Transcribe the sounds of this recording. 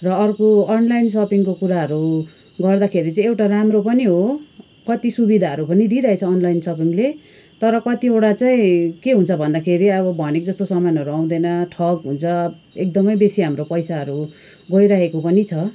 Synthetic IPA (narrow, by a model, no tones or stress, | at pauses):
rʌːrkoʌnlajnsʌpiŋkokuɾaɦʌɾu | ɡʌrd̪akʰeɾit͡saĩewʈaramropʌniɦo | kʌt̪isubid̪ʱaɦʌɾupʌnid̪iɾʌɦet͡sʰʌːnlajnsʌpiŋle | t̪ʌɾʌkʌt̪iewɽat͡saĩkeɦũnt͡sʰʌbʱʌnd̪akʰeɾiʌβʌbʱʌnekd͡zʌst̪osʌmanɦʌɾuaw̃d̪ʌnʌʈʰʌkɦunt͡sʰʌ | ek̚d̪ʌmʌjbesiɦamropʌjsaɦʌɾu | ɡʌjɾaɦekopʌnit͡sʰʌ